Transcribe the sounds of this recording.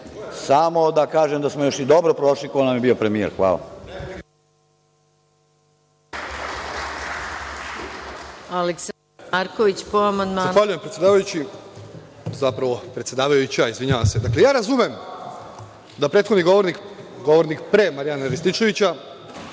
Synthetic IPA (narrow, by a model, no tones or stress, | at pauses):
samo̞d̪akaːʒemd̪asmojo̞ʃid̪o̞bɾopɾo̞ʃlikoonamjebio̞pɾe̞miḛɾxʋa̰ːla̰ | aleks | aɾkoʋit͡ɕpoamand̪mazanxʋaːʎujempɾet̪sjed̪aːʋajut͡ɕi | zapɾaʋo̞pɾe̞t̪sjed̪aːʋajut͡ɕaizʋiɲaʋase̞d̪akle̞jaːɾazumem | d̪apɾet̪xod̪niɡoʋoɾnikɡo̞ʋoɾnikpɾemaɾijanaɾist̪it͡ʃe̞ʋit͡ɕa